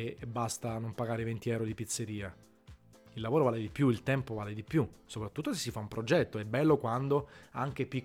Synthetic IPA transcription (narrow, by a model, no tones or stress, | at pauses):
ebːast̪anompaɡaːɾevent̪iɛwɾod̪ipit̪sːeɾiːa | ilːavoːɾovaːled̪ipjuilt̪ɛmpovaːled̪ipjusopɾat̪ːut̪ːosesːifaumpɾod͡ʒɛt̪ːoɛbːɛlːokwand̪oaŋk̟epik